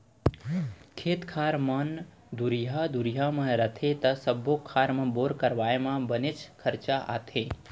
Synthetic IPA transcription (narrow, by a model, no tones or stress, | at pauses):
kʰeːt̪kʰaːɾmən | d̪uɾjad̪uɾjamə̃ɾət̪ʰet̪ɐsəbːokʰaːɾmə̃boːɾkəɾʋaːemãbənɪt͡ʃkʰəɾt͡ʃaʔa̰t̪ʰe